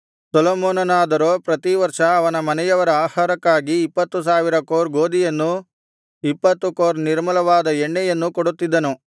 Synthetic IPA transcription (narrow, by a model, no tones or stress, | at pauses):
sɐlomoːnɐnaːd̪ɐɾoːpɾɐt̪iʋɐɾʂɐɐʋɐnɐmɐnɛjɐʋɐɾɐaːhaːɾɐkːaːɡiːpːɐt̪ːus̬aːʋiɾɐkoːɾɡoːd̪ijɐnːu | ipːɐt̪ːukoːɾniɾmɐlɐʋaːd̪ɐeɳːɛjɐnːukoɽut̪ːid̪ːɐnu